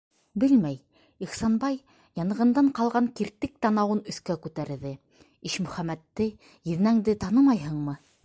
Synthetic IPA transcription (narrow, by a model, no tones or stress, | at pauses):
bɘlmæj | iχsɑnbɑj | jɑnɤ̆ʁɤ̆nd̪ɑɴqɑlˠʁɑŋkiɾt̪ɘk̚t̪ɑnɑwɤnɵ̆θkækʉt̪æɾðɘ | iʃmɵ̆χæmæt̪ːɘ | jɘ̆ðnæŋd̪ɘt̪ɑnɤmɑjɦɤ̆ɴmɤ